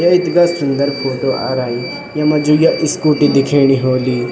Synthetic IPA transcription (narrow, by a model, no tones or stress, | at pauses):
jɐit̪ɡasund̪ɐɾpʰoːʈoʔa̰ɾaːi | jɐmɐd͡ʒujɐʔiskuʈid̪ikʰeːɽ̃iɦoːli